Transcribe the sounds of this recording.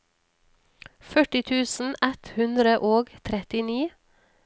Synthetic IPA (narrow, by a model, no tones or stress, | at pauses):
fœʈɪt̪ʰʉːsn̩ɛt̪hʉnd̪ɾəʔoːɡt̪ʰɾɛt̪ɪniː